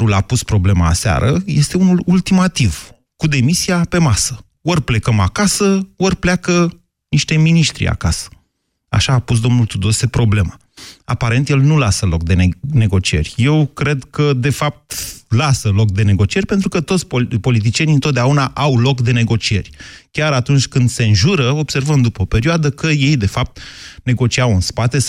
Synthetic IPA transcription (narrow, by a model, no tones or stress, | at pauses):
ulapuspɾo̞ble̞maːsea̰ɾʔəje̞st̪e̞unulult̪imat̪iv | kud̪e̞misijape̞masə | orple̞kəmakasəorpleakə | niʃt̪e̞miniʃt̪ɾḭa̰kasə̥ | a̰ʃaːpus̬d̪o̞mnult̪ud̪o̞se̞pɾo̞ble̞ma | a̰paɾe̞nt̪je̞lnulasəlo̞̰k̚d̪enne̞ɡo̞t͡ʃie̞̰rʲje̞wkɾe̞d̪kəd̪e̞fap̚t̪lasəlo̞k̚d̪e̞ne̞ɡo̞t͡ʃie̞ɾʲpe̞nt̪ɾukət̪ot̪sʲpopo̞lit̪̬it͡ʃijeniɨnt̪ot̪d̪eaunaʔawlo̞kd̪e̞ne̞ɡo̞t͡ʃie̞̰rʲkʲaɾat̪unt͡ʃʲkɨnd̪se̞ɨnʒuɾəo̞b̥se̞rvəmd̪upəope̞ɾioad̪əkəje̞jd̪e̞fap̚t̪ne̞ɡo̞t͡ʃiawɨnspat̪e̞